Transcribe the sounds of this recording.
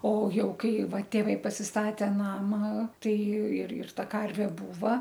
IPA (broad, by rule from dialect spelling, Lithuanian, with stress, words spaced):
oː ˈjɛʊ ˈkɐɪ ˈʋɐ tʲeːˈʋɐɪ pɐsʲɪsˈtɑːtʲeː ˈnɑːmɐ ˈtɐɪ ɪr ɪr ˈtɐ ˈkɐrʲʋʲeː ˈbuːʋɐ